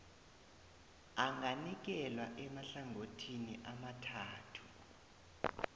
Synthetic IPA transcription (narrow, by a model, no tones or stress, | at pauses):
aŋʱanik̬ɛlwaʔɛmaɬaŋʱotʰiniʔamatʰaːtʰu̥